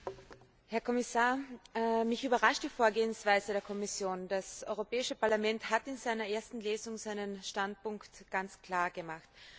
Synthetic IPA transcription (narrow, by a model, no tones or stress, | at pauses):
hɛɐkʰɔmɪsaːɐmɪçʔyːbɐʁaʃtd̥iːfoːɐɡeːənsv̥aɪzədeːɐkʰɔmɪsjoːnd̥asʔɔʏʁopɛːɪʃəpaɐlamɛnthatɪnzaɪnɐʔeːɐstn̩leːzʊŋzaɪnənʃtant̚pʊŋktɡ̥ant͡skl̥aːɐɡəmaxt